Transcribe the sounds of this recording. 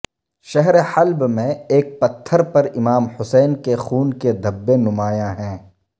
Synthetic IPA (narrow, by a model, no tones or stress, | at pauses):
ʃɛɦɾeħɐlbmẽeːk̚pɐt̪ʰːəɾpɐɾɪmaːmhʊsɛːnkexuːnked̪ʱɐbːenʊmaːjãɦɛ̃ː